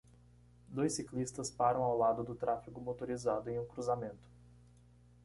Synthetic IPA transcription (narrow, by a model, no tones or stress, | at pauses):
d̪ojsiklist̪ɐspaɾɐ̃w̃awlad̪ʊd̪ʊt̪ɾafiɡʊmot̪oɾizad̪ʊẽj̃ũkɾuzamẽnt̪ʊ̥